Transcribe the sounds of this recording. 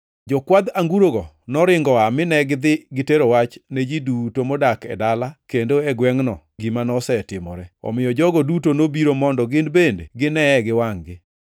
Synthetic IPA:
d͡ʒɔkwad̪aŋɡuɾoɡɔ | nɔɾɪŋɡɔamɪnɛɡɪd̪ɪɡɪteɾowat͡ʃned͡ʒidutomɔdakɛ̰dalakendoɛɡwɛŋnɔ̰ | ɡimanɔsɛtɪmɔ̰ɾɛɔ̰mɪjɔd͡ʒɔɡɔdutonobiɾomɔndɔɡɪndbendḛɡɪnɛɛɡɪwaŋɡɪ

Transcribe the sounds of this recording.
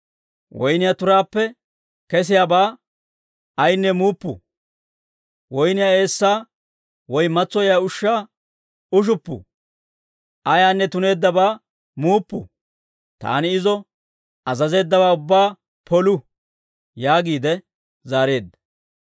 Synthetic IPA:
wɔjnɪjat̪ʊɾaːpːɛ | kɛs̬ɪjaːbaː | ɐjnːɛmuːpːʊ̰ | wɔjnɪjae̞ːsːaː | wɔjmɐt͡sːɔjaːʊʃːaː | ʊʃ̬ʊpːʊ̰ | ʔɐjaːnːɛt̪ʊne̞ːd̪ːɐbaː | muːpːʊ̰ | t̪a̰ːnɪɪzɔ | ɐzɐze̞ːd̪ːɐβaːʊbːaː | pʰɔlʊ | jaːɡiːd̪ɛ | zaːɾe̞ːd̪ːɐ̥

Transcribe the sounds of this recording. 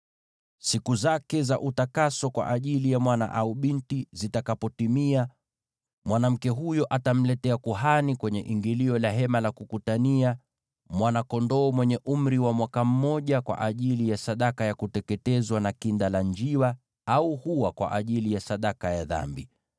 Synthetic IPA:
sikuzakɛzaʔutakasɔkwa̰ʔaʄilijamwana̰ʔauɓintizitakapɔtimia | mwanam̩kɛɦujɔʔatam̩lɛtɛakuɦanikwɛɲɛʔiŋɡiliɔlaɦɛmalakukutania | mwanakɔndɔːmwɛɲɛʔum̩ɾiwamwakam̩mɔʄakwa̰ʔaʄilijasaɗakajakutɛkɛtɛzwanakindalaɲd͡ʒiwa | auhuwakwa̰ʔaʄilijasaɗakajaða̰mbi

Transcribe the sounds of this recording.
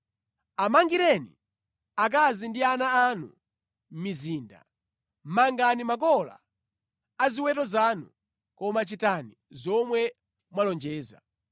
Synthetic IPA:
amaŋɡiɾɛnḭ | ak̬azindianaːnu | miziːnda̰ | maŋɡanimak̬ɔla̰ː | ziwɛtɔzanṵ | kɔmat͡ʃitani | zɔmwɛ | mwalɔnd͡ʒɛːza̰

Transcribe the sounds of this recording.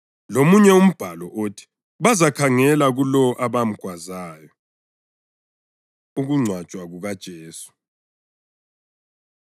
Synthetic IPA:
lomuɲɛum̩b̥ʱalɔʔotʰi̥ | βazakʰaŋɛlaɣulɔʔaβam̩ɡ̥ʱwazaːjɔ | uɣuŋ͡ǀʱwad̥t͡ʃʼwaɣuɣad̥ʒ̥ʱeːsu̥

